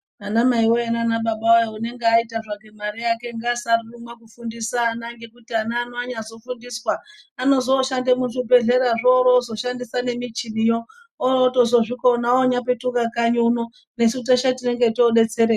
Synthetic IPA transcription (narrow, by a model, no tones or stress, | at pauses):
anamaiwoenanaɓaɓawajoune̞ŋɡeaitaʐake̞maɾijake̞ŋɡasarurumwakufundisaːnaŋɡe̞kutianaːnoaɲazo̞fundiswaːno̞zo̞ʃandemuʐibe̞ɮe̞ɾaʐoɾozo̞ʃandisane̞mit͡ʃinijo | ooːto̞zo̞ʐiko̞naoɲape̞tukakaɲuuno̞ | ne̞sut̬aʃatine̞ŋɡe̞tooɗe̞t͡se̞ɾeːa